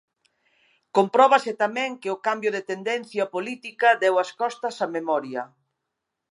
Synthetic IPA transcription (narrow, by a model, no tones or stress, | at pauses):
kompɾɔβasɪt̪amɛ̃ŋkɪʊkambjʊðet̪end̪ɛn̟θjapolit̪ikɐd̪ɛwɐskɔst̪ɐsamemɔɾjɐ